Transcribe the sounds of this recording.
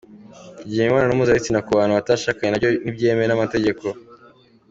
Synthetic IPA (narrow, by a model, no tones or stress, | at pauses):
iɟiːheimaːnanoːmuzaitinakuβaːnuβataːʃaːkaɲenaɟonibɟeːmeɾenamate̞ɟe̞kʰo̞